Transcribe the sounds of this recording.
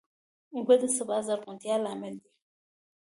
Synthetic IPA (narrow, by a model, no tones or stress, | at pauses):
ŋ̩ɡʷed̪ɨsɨbazaɾkʊt̪ijalamɛld̪i